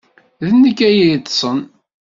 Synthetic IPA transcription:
ðənːəkːæjit̪ːsˤən

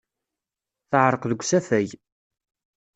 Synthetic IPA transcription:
θəʕɾˤqðəɡʷːsæθæj

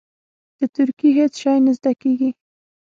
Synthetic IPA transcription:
d̪̥ət̪ʊɾkeɦet͡sʃɑjnɪzd̪akeɡi

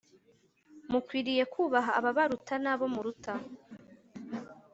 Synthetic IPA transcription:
mukwiːɾije̞kuːβaɦaːβaβaɾutanaβo̞muɾuta

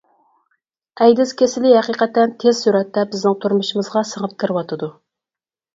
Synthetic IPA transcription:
ɛjd̪ɪz̥kʲʰesɪlɪhæqiqɛt̪ːɛnt̪ʰez̥ːyɾɛt̪ːɛbɪznɪŋt̪ʰuɾmuʃɪmɨzʁɑsəŋət̪̚kʲʰəɾɪwɑt̪ʰɨd̪u

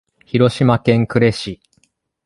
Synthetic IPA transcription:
çiɾo̞ɕimakẽ̞ŋkɯ̟ɾe̞ɕi

